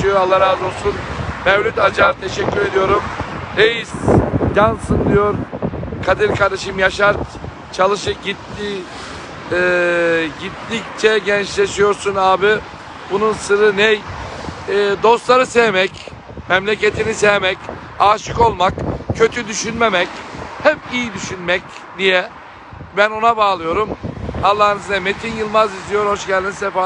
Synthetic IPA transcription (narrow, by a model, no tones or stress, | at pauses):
t͡ʃijoalˠːaɾazo̞lˠsunmɛvlʲyt̪ad͡ʒaɾt̪ʰeʃɛcʲːyɾe̞d̪ijo̞ɾumejiz̥jansɯnd̪ijo̞ɾkʰad̪iɾkʰaɾd̪eʃɯmjaʃaɾ | t͡ʃʰalˠɯʃɯɟit̪ːi | ɟit̪ːict͡ʃʰɛɟɛnt͡ʃlʲeʃijo̞ɾsunaːbi | bununsɯɾɯnɛj | d̪o̞st̪lˠaɾɯsejmɛc | mɛmlʲecet̪ʰinisejmɛc | aːʃɯko̞lˠmakcʰø̞t̪ʰyd̪yʃynmemɛchɛpijid̪yʃynmɛc | d̪ijɛ | bæno̞nabaːlˠɯjo̞ɾumhalˠːaːnɯznɛmet̪ʰinjɯlˠmazizijo̞ɾho̞ʃɟɛlʲd̪insɛfa